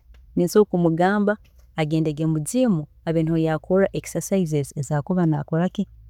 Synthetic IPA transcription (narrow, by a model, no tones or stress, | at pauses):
ninsoːkumuɡaːmbaː | ɡeːndeɡemuɟimu | aβeːnhojakʰolaʔeki̥sasaizezezaːkuβana̰kolaki